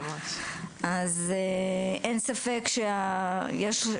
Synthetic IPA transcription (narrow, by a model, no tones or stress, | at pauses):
azeʔensafekʃeajeʃ